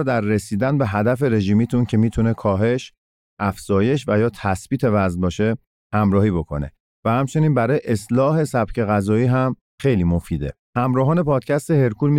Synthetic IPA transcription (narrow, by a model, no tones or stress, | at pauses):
d̪æɾːe̞siːd̪ænbeɦæd̪æfe̞ɾe̞ʒiːmiːt̪ʰuncʰe̞miːt̪ʰune̞kʰɒːɦe̞ʃ | ʔæfz̥ɒːje̞ʃvæjɒːt̪ʰæsb̥iːt̪ʰe̞væznbɒːʃe̞ | hæmɾɒːhiːbo̞kʰo̞̰ne̞̰ | væhæmt͡ʃʰe̞niːnbæɾɒːjeʔeslɒːɦe̞sæb̥cʰe̞ɣæzɒːiːɦæm | xe̞jliːmo̞fiːd̪e̞̰ | hæmɾɒːɦɒːne̞pʰɒːd̪̥cʰæst̪ehe̞ɾkʰuːlmi